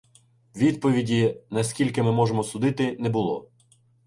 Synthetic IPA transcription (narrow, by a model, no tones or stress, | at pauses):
ʋʲid̪̚pɔʋʲidʲinɐskʲilʲkɪmɪmɔʒemɔsʊd̪ɪt̪ɪnɛbʊlˠɔ̰